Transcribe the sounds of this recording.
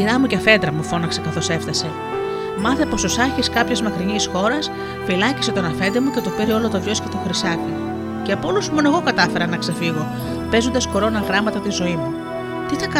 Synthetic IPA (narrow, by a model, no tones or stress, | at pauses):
iɾɐmuceɐfe̞nd̪ɾɐmufo̞nɐkse̞kɐθo̞se̞ft̪ɐse̞ | mɐθepo̞sosɐçiskɐpçezmɐkɾinisxo̞ɾɐs | filɐci̥se̞t̪o̞nɐfe̞nd̪emuce̞t̪opiɾio̞lot̪ovʝo̞scet̪oxɾisɐki | ceɐpolusmo̞ne̞ɣo̞kɐt̪ɐfeɾɐnɐkse̞fiɣo̞ | pe̞zond̪ɐsxo̞ɾo̞nɐɣɾɐmɐt̪ɐt̪izo̞imu | t̪iθɐk